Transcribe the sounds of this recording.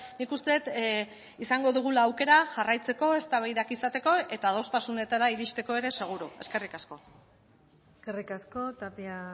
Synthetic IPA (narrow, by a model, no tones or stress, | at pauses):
nikust̪e̞t̪ | isaŋɡo̞ðuɣ̞ulaːwke̞ɾaʝarajt͡se̞ko̞e̞st̪aβejɾakisat̪e̞ko̞e̞t̪aðo̞st̪asune̞t̪aɾaiɾiʃt̪e̞ko̞e̞ɾe̞se̞ɣ̞uɾue̞ske̞rikasko̞ | skerikasko̞t̪apia